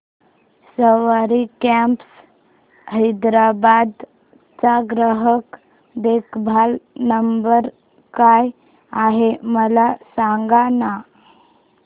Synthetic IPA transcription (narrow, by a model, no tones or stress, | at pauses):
səʋaɾikɛmps | ɦəjd̪ɾabad̪ | t͡saɡɾəɦək | d̪ekbʱalnəmbəɾ | kaj | aɦeməlasaŋɡana